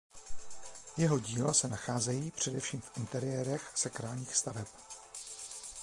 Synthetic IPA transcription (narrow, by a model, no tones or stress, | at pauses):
jɛɦo̞ɟiːlasɛnaxaːzɛjiːpr̝̥ɛdɛfʃiːmfʔɪnt̪ɛɾɪjɛːɾɛxsakɾaːlɲiːxst̪avɛp